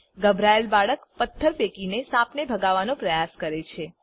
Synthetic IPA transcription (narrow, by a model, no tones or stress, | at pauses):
ɡəbʱɾaelbaɭəkpət̪ʰːəɾʋekinesãpnebʱəɡaʋanõpɾəjaskəɾet͡ʃʰe